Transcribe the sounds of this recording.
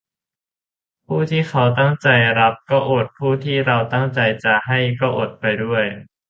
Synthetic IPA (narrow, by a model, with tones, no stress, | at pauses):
pʰuː˥˩t̪ʰiː˥˩xʰa˦˥wt̪a˥˩ŋt͡ɕa˧jɾa˦˥p̚kɔː˥˩ʔo˨˩t̪̚pʰuː˥˩t̪ʰiː˥˩ɾa˧wt̪a˥˩ŋt͡ɕa˧jt͡ɕa˨˩ha˥˩jkɔː˥˩ʔo˨˩t̪̚pa˧jdu˥˩əj